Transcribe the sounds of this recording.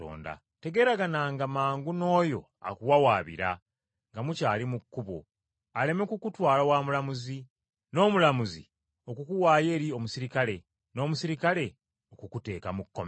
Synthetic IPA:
o̰ːnda̰ | te̞ɡe̞ːɾaɡanaŋɡamaːŋɡuno̞ːjo̞ | a̰kuwawaːβḭɾa | ŋɡamucaːlimukːuβo̰ | ale̞me̞kukutwaːlawaːmulamuzi | no̞ːmulamuzḭ | o̞kukuwaːje̞ːɾio̞musiɾikale̞ | no̞ːmusiɾikale̞ | okukute̞ːkamukːo̰m

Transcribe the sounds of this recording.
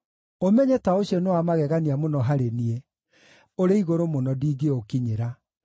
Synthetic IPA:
omɛɲɛtaoɕiɔnewamaɣɛɣaniamonɔɦaɾenie | oɾeiɣoɾomonɔdiɡeokiɲeɾa

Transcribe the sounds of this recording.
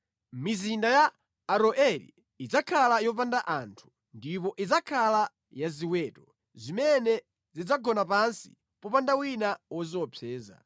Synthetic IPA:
mizindajaː | ɾɔʔɛɾḭ | id͡zakʰalajɔp̬andaʔantʰu̥ | ndipɔʔid͡zakʰala | jaziwɛːtɔ | zimɛnɛ | zid͡zaɡɔnapansḭ | pɔpandawinawɔzɔpʰɛːza̰

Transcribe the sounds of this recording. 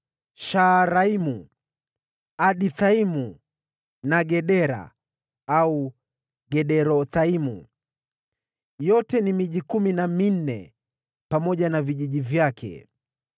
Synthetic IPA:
ʃaɾaimu | aɗiθaimu | naɡɛɗɛɾa̰ | au | ɡɛɗɛɾɔθaimṵ | jɔtɛnimiʄikuminamin̩nɛ̰ | pamɔʄanaviʄiʄivjakɛ̰

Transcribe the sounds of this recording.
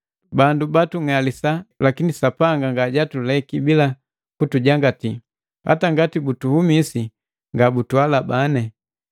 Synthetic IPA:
bandubatuŋalisalakinisapaŋɡaŋɡaɟatulɛkibila | kutuɟaŋɡati | ha̰taŋɡatibutuhumisi | ŋɡabutuwalabanɛ

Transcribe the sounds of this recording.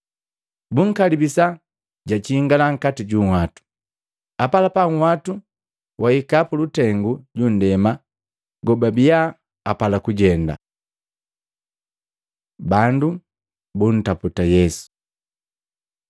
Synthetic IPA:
buŋ̩kalibisa | ɟat͡ʃiːŋɡalaŋ̩katiɟuŋwatu̥ | apalapaŋ̩watu | wʔaikapulutɛŋɡuɟun̩dɛma | ɡɔbabija | apalakuɟɛnda̰ | bandu | bun̩taputajɛsu̥

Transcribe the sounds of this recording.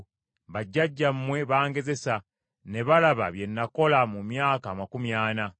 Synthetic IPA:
βaɟːaɟːammwe̞βaːŋɡe̞ze̞sa | ne̞βalaβa̰βje̞nːako̞lamumjaːkaːmakumjaːna

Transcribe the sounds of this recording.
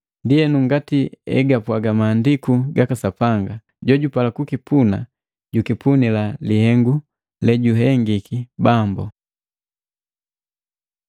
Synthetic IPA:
ndiɛnuŋɡatiɛ̰ɡapwaɡamaːndikuɡakasapaŋɡa | ɟɔɟupalakukipuna̰ | ɟukipunilalihɛŋɡu | lɛɟuɦɛŋɡikibambɔ̰

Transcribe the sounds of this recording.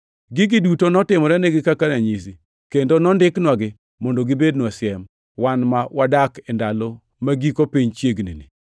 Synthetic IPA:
ɡɪɡɪdutonɔtɪmɔɾɛneɡɪkakanaɲisi | kendonɔndɪknwaɡɪ | mɔndoɡɪbednwasjɛm | wanmawadakendalo | maɡikopiɲt͡ʃjeɡnḭni

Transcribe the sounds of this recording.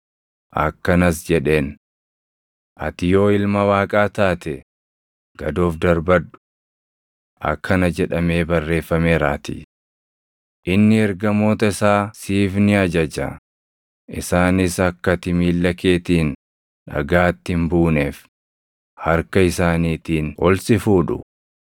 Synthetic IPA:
ʔɐkːɐnɐs̬d͡ʒɛᶑe̞ːn | ʔɐ̰t̪ɪjo̞ːɪlmɐwaːkʼaːt̪aːt̪ɛ | ɡ̥ɐd̪o̞ːfd̪ɐɾbɐᶑʊ̥ | ʔɐ̰kʰːɐnɐd͡ʒɛᶑɐme̞ːbɐrːe̞ːfːɐmeːɾaːt̪ḭ | ʔɪnːɪɛɾɡɐmo̞ːt̪ɐɪsaːsiːfnɪɐd͡ʒɐd͡ʒɐ̰ | ʔɪsaːnɪsɐkːɐt̪ɪmiːlːɐke̞ːt̪iːn | ᶑɐ̰ɡaːt̪ːɪmbuːneːf | hɐɾkɐɪsaːniːt̪iːnɔlsɪfuːᶑʊ̰

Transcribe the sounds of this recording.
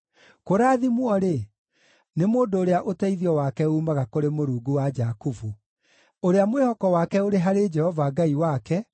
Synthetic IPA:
koɾaːðimwɔɾe | nemoːndoːɾeaʔotɛiðiɔwakɛuːmaɣakoɾemoɾuːɡuwad͡ʒakufu | oɾeamwehɔkɔwaːkɛoɾeɦaɾed͡ʒɛhɔvaɡaiwakɛ

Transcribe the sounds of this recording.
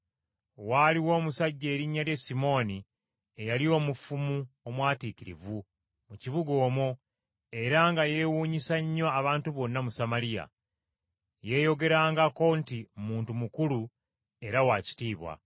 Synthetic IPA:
waliwo̞ːmusaɟːe̞ːɾiɲːalje̞simo̞ːni | ejalio̞ːmufumuomwaːtikiɾḭvu | muciβuɡo̞ːmo | e̞ɾaŋɡaje̞ːwuːɲisaɲːaːβaːntuβo̞nːamusamalija̰ | je̞ːjo̞ɡe̞ɾaːŋɡako̞ntimuːntumukulu | e̞ɾawaːci̥tiːβwa̰

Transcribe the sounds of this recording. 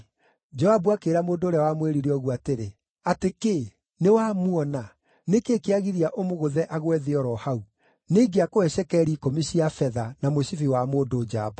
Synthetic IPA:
d͡ʒɔabwakeɾamoːdoːɾeawamweɾiɾeɔɣuateɾe | ateke | newamwɔna | nekeːkeaɣiɾiaʔomoɣoðɛʔaɣwɛðeɔɾɔhau | neɡeakowɛɕɛkɛɾikomiɕiafɛðanamoɕifiwamoːdoːd͡ʒa̰ba

